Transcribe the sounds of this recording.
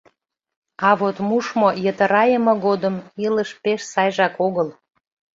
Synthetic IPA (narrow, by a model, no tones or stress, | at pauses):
ɑβot̪muʃmojət̪əɾɑjəmɤ̆ɣod̪əmiləʃpeʃsɑjʒɑkoɣəl